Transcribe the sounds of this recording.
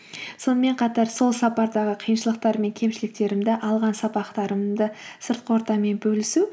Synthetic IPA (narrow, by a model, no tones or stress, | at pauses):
so̞nəme̞ɴqʰɑt̪ɑɾso̞lˠsɑpɑɾd̪ɑʁəqʰijənʃəlˠəq̚t̪ɑɾme̞ŋkʲʰe̞mʃɪlɪk̚t̪e̞ɾɪmd̪ɪʔɑlˠʁɑnsɑpɑqt̪ɑɾəmd̪əsəɾt̪̚qəo̞ɾt̪ɑme̞nbɵlɪsu